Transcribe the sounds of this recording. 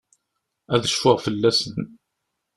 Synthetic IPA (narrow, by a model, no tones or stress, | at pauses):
æðəʃfʊʁfəlːæsən